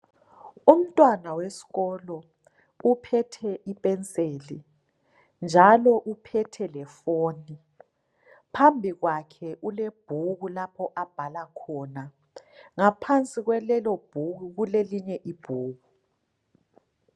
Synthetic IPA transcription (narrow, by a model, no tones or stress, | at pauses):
um̩tʼwanawesi̥ɣɔlɔ | upʰɛtʰɛʔipʼɛnt͡sʼeːli | nd͡ʒʱalɔʔupʰɛtʰɛlɛfoːni | pʰambʱiɣwakʰɛʔuleb̥ʱuɣulapʰɔʔab̥ʱalakʰɔːna | ŋapʰant͡sʼiɣwɛlɛlɔb̥ʱuɣuɣuleliɲɛʔib̥ʱuːɣu